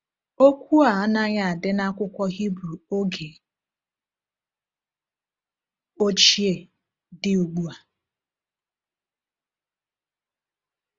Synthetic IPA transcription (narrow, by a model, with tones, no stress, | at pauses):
o˦kʷu˦a˨ɔ˦na˦ɲa˨a˨dɪ˦na˦kʷʊ˦kʷɔ˦ɦi˦bɾu˨o˦ɡe˨ | o˦t͡ʃi˦e˨ | dɪ˦u˨ɡ͡bu˦a˨